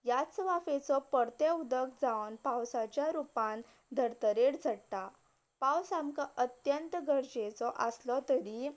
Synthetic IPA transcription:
jat͡sʋafet͡sɔpəɽt̪jaud̪əkʰd͡zaʋnpawsat͡ɕjaɾupãn | d̪ʱəɾt̪əɾeɽd͡zʱəɽt̪a | pawsamkaʔət̪jənt̪ɡəɾd͡ʑet͡sɔʔəslɔt̪əɾi

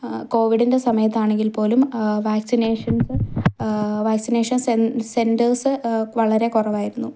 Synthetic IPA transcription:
ko̞ːʋiɽinde̞sɐmɐjɐt̪̬ːaːɳe̞ŋɡilpo̞ːlumʋaːksine̞ːʂɐnsɨ | ʋaːksineːʂɐnsesendɐrsɨʋɐɭɐɾe̞kurɐʋaːjiɾunːu

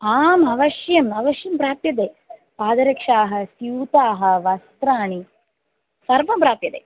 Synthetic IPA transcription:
aːmɐʋɐʂjɐmɐʋɐʃjɐmpɾaːp̚t̪jɐt̪̬eːpaːd̪ɐɾɐkʂaːɦɐ̆sjuːt̪aːɦɐ̆ʋɐst̪ɾaːɳi | sɐɾʋɐmpɾaːp̚jɐt̪eː

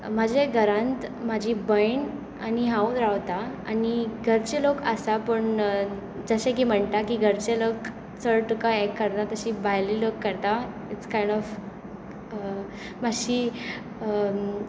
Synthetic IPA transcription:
mad͡ʑʱeɡʱəɾãnt̪mad͡ʑʱibəjɳ | aniɦãud̪ɾaʋt̪aaniɡʱəɾt͡ɕelokasapəɳ | d͡zəɕek̬iːm̤əɳt̪akiːɡʱəɾt͡ɕelok | t͡səɭʈukaɛkːəɾt̪at̪əɕiːbajliːləkːəɾt̪a | it͡skajɳɖɔf | maɕiː | ə

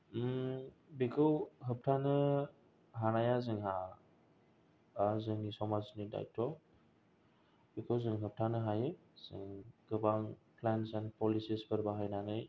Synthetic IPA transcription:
bikʰɯwɦɯp̚tʰanɯ | ɦanajazɯŋɦa | azɯŋisɔmaznida̰jtʰɔ | bikʰɯwzɯŋɦɯp̚tʰanɯɦajɯ | z̥ɯ̰ŋɡ̥ɯbaŋpʰlansɛnpɔlisisbʰɯɾbaɦajnanɯj

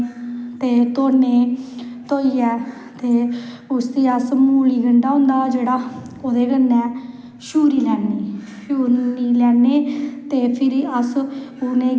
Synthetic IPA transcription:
t̪eːt̪oːneːt̪oːiːɛː | t̪eː | ʊst̪iːəsmuːliːɡəɳɖaːɦʊ̃ːnd̪aːd͡ʒeːɽaː | oːd̪eːɡənːɛː | ʃuːɾiːlɛːneː | ʃuːɾniːlɛːneːt̪eːpʰɪɾiəsʊnẽː

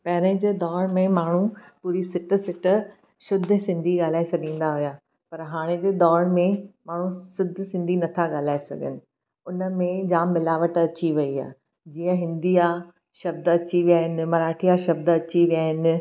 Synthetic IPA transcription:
pɐɦɪɾə̃d͡ʑeːd̪ɔːɾmẽmaːɳ̤upuːɾisɪʈ̆sɪʈ | ʃʊd̪ʱsɪ̃nd̪ʱiɠaːl̤aːesɐɠĩːn̆d̪aɦʊjaː | pɐɾɦaːɽ̃ed͡ʑeːd̪ɔːɾmẽmaːɳ̤ũsʊd̪ʱsɪ̃nd̪ʱinɐt̪ʰaɠaːl̤aːesɐ̰ɡʱənɪ̆ | ʊnə̆mẽd͡ʑaːmːɪlaːʋəʈɐt͡ɕiʋɐia̰ː | d͡ʑiːə̃ɦɪ̃nd̪ia | ʃɐb̚d̪ɐt͡ɕiʋijaːɦɪnɪ̆mɐɾaːʈʰijaʃɐb̚d̪ɐt͡ɕiʋijaːɦɪnɪ̆

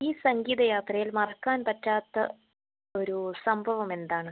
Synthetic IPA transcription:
iːsɐŋɡiːðɐjaːt̪rɐjilmɐrɐkːaːnpɐtːaːt̪ːɐ | o̞ɾusɐmbʱɐʋɐme̞nd̪aːɳɨ

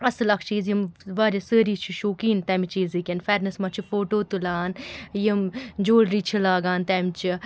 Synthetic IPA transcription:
ɐslɐkʰt͡ʃiːzjimʋaːɾisəːɾiːt͡ʃʰiʃoːkiːnt̪ɛmit͡ʃiːzikʲenfɛɾnɨsmɐt͡ʃʰifoːʈoːt̪ulaːnjimd͡ʒoːɽɾiːt͡ʃʰilaːɡaːnt̪ɛmt͡ʃʰi

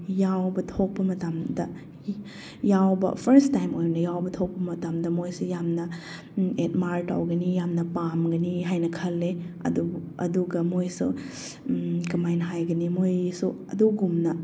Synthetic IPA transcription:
jawbɐtʰok̚pɐmɐtamdɐ | jawbɐ̰pʰɐɾstajmojnɐjawbɐtʰok̚pɐmɐtamdɐmojsujamnɐ | et̚maɾta̰wɡɐnijamnɐpamɡɐniɦajnɐkʰɐlːeɐ̰duɐ̰duɡɐmojsu | kɐmajnɐɦajɡɐnimojsuɐduɡumnɐ

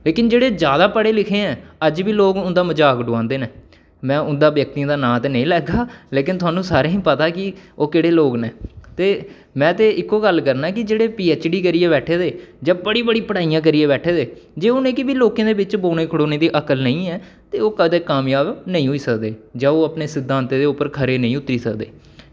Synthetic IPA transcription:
leːkɪnd͡ʒeːɽeːd͡ʒjaːd̪aːpəɽeːlɪkʰẽːɛ̃ːəd͡ʒʋiːloːkʊnd̪aːməd͡ʒaːkɖʊãːnd̪eːneː | mɛ̃ːʊnd̪aːʋjək̚t̪ĩːd̪aːnãːt̪eːnə̃ĩːlɛːɡaːleːkɪnt̪ʊaːnũːsaːɾẽːɦĩːpət̪aːkɪoːkɪɽeːloːɡneːt̪eː | mɛ̃ːt̪eːʔɪkːoːɡəlkəɾnaːɛːkɪd͡ʒeːɽeːpiːɛːt͡ʃɖiːkəɾieːbɛːʈʰeːd̪eːd͡ʒãːbəɽiːbəɽiːpəɽaːijãːk̬əɾiːeːbɛːʈʰeːd̪eːd͡ʒeːʊnẽːkɪbiːloːkẽːd̪eːbɪt͡ʃboːneːkʰəɽoːneːd̪iːʔəkəlnəĩːɛː | t̪eːoːkəd̪eːkːaːmjaːbnəĩːɦʊiːsəkd̪eːd͡ʒãːoːəpneːsɪd̪ʱːãːnt̪eːd̪eːʊpːəɾkʰəɾeːnə̃ĩːʊt̪ːɾiːsəkd̪ḛː

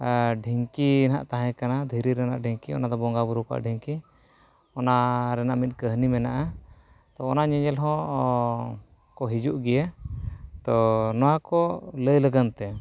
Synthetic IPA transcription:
ɖʱiŋkina̰ʔt̪aɦɛ̃kanad̪ʱiɾiɾɛnaʔɖʱiŋkiɔ̰nad̪ɔbɔŋɡabuɾukɔʔa̰ʔɖʱiŋki | ɔnaɾɛnaʔmit̪̚kəɦnimɛnaʔa | t̪ɔːnaɲɛɲɛlɦɔ̃ | kɔɦid͡ʒuʔɡɛja | t̪ɔnɔwakɔləjləɡənt̪ɛ

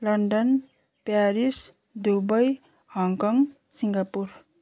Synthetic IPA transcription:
lʌɳɖʌn | paɾis | d̪ubʌj | hɔŋkɔŋ | siŋɡapuɾ

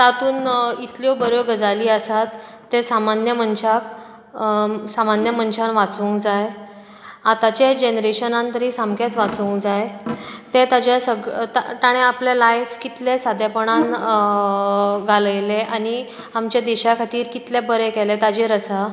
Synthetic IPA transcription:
t̪at̪uːnit̪ljobəɾjoɡəd͡zaliːəsat̪ː | esamanjəmənɕak | samanjəmənɕanʋat͡suːŋkd͡zaj | at̪at͡ɕed͡ʑenɾeɕənãnt̪əɾiːsamkat͡sʋat͡suːŋkd͡zajt̪et̪ad͡ʑasəɡɭt̪t̪aɽ̃ẽaplalajfkit̪lesad̪japəɳ̃an | ɡaləjleʔañi | amt͡ɕad̪eɕakʰat̪iːɾkit̪lebəɾekɛlet̪ad͡ʑeɾəsa

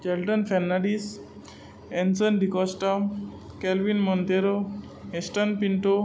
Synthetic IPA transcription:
d͡ʑɛlʈənfɛnːaɽis | ẽnsənɖikɔsʈa | kɛlʋinmənd̪eɾo | ɦesʈənpiɳʈo

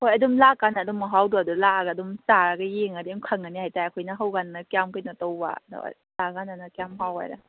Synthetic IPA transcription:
hojɐdumlakanadumːaɦawduadulaɡadumsaɾaɡajeŋadimkʰəŋanihajtajakʰojnɐɦawɡanːakjamkʰɯjnatɔwa̰dṵ | laɡananakjamɦawa̰jɾa̰

